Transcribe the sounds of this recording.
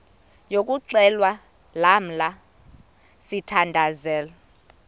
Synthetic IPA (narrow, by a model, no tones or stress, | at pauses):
jok̬ʼuǀɛlwa | lam̩la | sitʰandʱazɛːla